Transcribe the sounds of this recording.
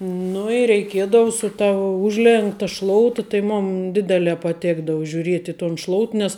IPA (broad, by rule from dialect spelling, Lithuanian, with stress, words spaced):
ˈnʊ ɪ rʲɛɪˈkʲiɛdɐʋʊ sʊ tɐ ˈʊʒʲlʲɛŋktɐ ˈʃlˠoːʊtɐ tɐɪ ˈmʊn ˈdʲɪdʲɛlʲɛː pɐˈtʲeːɡdɐʋʊ ʒʲʊˈrʲiɛtʲ ɪ toːn ˈʃlˠoːʊt nʲɛs